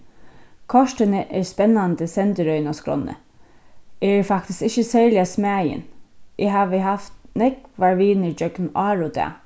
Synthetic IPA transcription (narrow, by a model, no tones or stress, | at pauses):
kʰɔʃʈənəʔɛɹspɛnːand̪əsɛnt̪əɾœʏnaskɾɔ̰nːə̰ | ʔɛɹfak̚t̪ɪskɪçəsɛːɹlɪasmæːjə̰nʔɪɦaːʋəɦaft̪nɛkʋaɹʋiːnəd͡ʒœknʔɑːɹʊd̪ɛ̰ː